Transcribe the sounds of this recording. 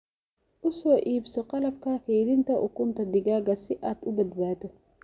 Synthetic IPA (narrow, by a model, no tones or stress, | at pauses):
ʔʊsɔːʔiːbsɔqɑlɐb̚kɐkɛjd̪ɪnt̪ɐʔʊkːʊnt̪ɐd̪ɪɡaːɡɐsɪʔaːd̪ʊbɐd̪baːt̪ɔ